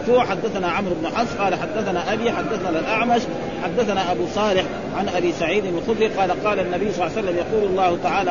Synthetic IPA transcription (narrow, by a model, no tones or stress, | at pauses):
fuːʕħad̪ːaθanaːʕamɾʊbnʊħɑnsˤqɑːlaħad̪ːaθanaːʔabiːħad̪ːaθanalalʔaʕmaʃ | ħad̪ːaθanaːʔabuːsˤɑːlɪħ | ʕanʔabiːsaʕiːd̪ɪnalxʊd̪ɾiːqɑːlaqɑːlanːabɪjːsˤɑlːasalːamjɑquːlɑlˤːɑːhʊt̪aʕaːla